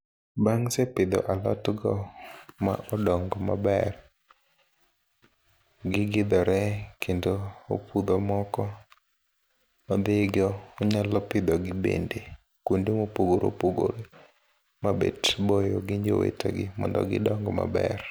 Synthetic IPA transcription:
baŋsepɪd̪ɔ̰ʔalɔ̰tɡɔmaʔɔdɔŋɡɔma̰bɛr | ɡɪɡɪd̪ɔɾɛkʰendoo̰pud̪ɔmɔkɔ | mad̪eɡɔːɲalɔpɪd̪ɔɡɪbḛnde | kundemopoɡoɾo̰poɡo̰ɾ | mabḛtbojoɡɪɲd͡ʒo̰wḛtɔ̰ɡɪmɔ̰ndɔ̰ɡɪ̰dɔŋɡɔma̰bɛ̰r

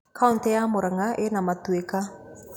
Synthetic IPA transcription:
kʰantɛamoɾaŋaʔenamat̪ueka

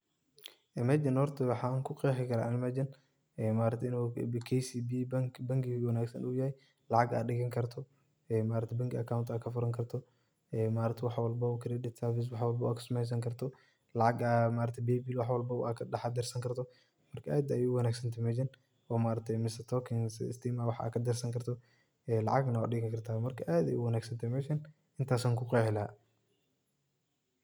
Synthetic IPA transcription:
ʔɛmɛd͡ʒɪnhɔrt̪ʰɐwɑħɑːŋkʰʊqɛːħɪkʰɐɾaʔːlɪmɐd͡ʒɐn | ɛːmaːɾɐt̪ʰɛɪnukʰɛsibibɐŋkbɐŋkɪwɐnaːɡsɐnuːjɐhɛj | lɐʕɑɡa̰ːɗɪɣɐŋkʰɐrt̪ʰɔ | ɛmaːɾɐt̪ʰɛbɐŋkɪɐkʰawnt̪aːkʰɐfʊɾɐŋkʰɐrt̪ʰɔ | ɛmaːɾɐt̪ʰɪwɑħwɐlbɐukʰɪɾɛɗɛt̪sɐfɪs̬wɑħwɐlbɐwaːkʰɐ̥sʊmɛjs̬ɐŋkʰɐrt̪ʰɔ | lɑʕɑɡaːmaːɾɐt̪ʰɛbɛːbiːlwɑħwɐlbɐakʰɐɗɐħɑd̪ɛrsɐŋkʰɐɾt̪ʰɔ | mɐrkʰɐʔaːd̪ɐjuwɐnaːɡsɐnt̪ʰɛmɛʃɐn | ɔːmaːɾɐt̪ʰɛmɪsɐt̪ʰɔkʰɪŋsst̪ʰiːmawɑħa̰ːkʰɐd̪ɛrsɐŋkʰɐrt̪ʰɔ | ɛlɑ̰ʕɑɡnɐwa̰ɗɪɣɪkʰɐrt̪ʰaːmɐrkʰɐʔaːd̪ɐ̰jʊwɐnaːɡsɐnt̪ʰɛmɛʃɐn | ɪnt̪ʰaːsɐːŋkʰʊqɛːħɪlɐa̰

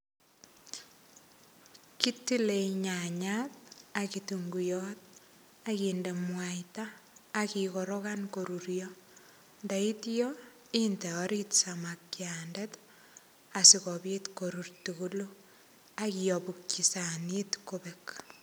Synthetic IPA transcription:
kitileɲaɲat̚akituŋɡujɔt̚ | akindemwaitaːkikoɾokankoɾuɾjɔ | ndaitjɔ | intɛɔɾitsamakjandet | asikɔβetkoɾurtukulu | akiɔpukt͡ʃisanitkobek

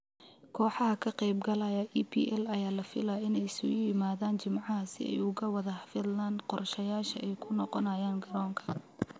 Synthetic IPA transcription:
kʰɔːħɑɦɐkʰɐqɛjbɡɐlɐjɐʔiːpʰḭːʔɛlɐjaːlɐfɪlaɪnɛjsʊ̰jɪmaːðaːnt͡ʃɪmʕɑɦɐsɪ̰ɛ̰jʊɣɐwɐðɐhfɪd̪land̪qɔrʃɐjaːʃɐ̰ʔɛjkʰʊnɔqɔnɐjaːnɡɐɾɔːŋkʰɐ̥

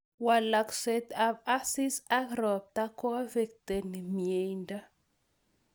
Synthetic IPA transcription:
walakset̪avasisaɣɾoab̚t̪akoavek̚t̪enimiejnda

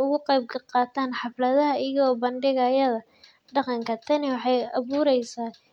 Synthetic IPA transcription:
ʊɣʊqɛjb̚kʰɐqɑːt̪ʰaːnħɑflɐðɐɦɐɪjɐɣɔːbɐnɖɪɣɐjɐðɐ | ɖɑqɑŋkʰɐt̪ʰɐnɪwɑħɑjɐβuːɾɛjsaː

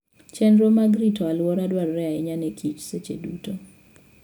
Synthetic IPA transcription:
t͡ʃɛnɾomaɡɾitɔalwɔɾadwarːɛaɛɲanekʰit͡ʃset͡ʃḛduto

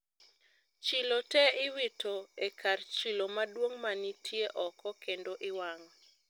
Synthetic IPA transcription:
t͡ʃilotɛɪwitoekʰart͡ʃilomadwoŋmanitʰjeʔɔkɔkendoʔɪwaŋɔ

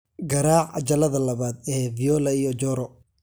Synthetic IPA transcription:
ɡɐɾaːʕɐ̰t͡ʃɐlɐðɐlɐβaːd̪ɛːvijɔːlɐijɔd͡ʒɔːɾɔ

